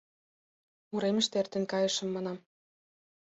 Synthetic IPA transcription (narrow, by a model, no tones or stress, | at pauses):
uɾemə̆ʃt̪ert̪ĕnkɑjɤ̆ʃə̆mːɑnɑm